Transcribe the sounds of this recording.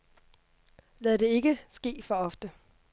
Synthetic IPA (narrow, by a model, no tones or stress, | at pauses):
læð̩ˠd̥e̝e̝ɡ̥əsɡ̥e̝̰ːfɒ̽ɒ̽fd̥ə